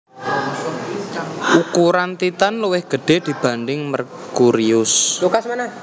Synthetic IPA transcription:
ukuɾant̪it̪anluwɪhɡ̥ə̤ɖ̥e̤d̪̥i̤b̥ä̤ndɪŋmərkuɾiʊslukasmana

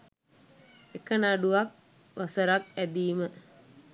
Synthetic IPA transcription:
ekənaɖuʋak̚ | ʋasəɾakæd̪iːmə

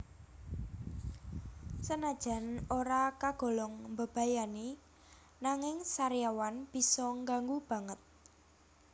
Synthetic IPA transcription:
sənad̥ʒ̥a̤noɾakaɡ̥ɔ̤lɔŋmbə̤b̥ä̤jane | naŋɪŋsaɾjawanb̥i̤sɔŋɡaŋɡub̥ä̤ŋət̪̚

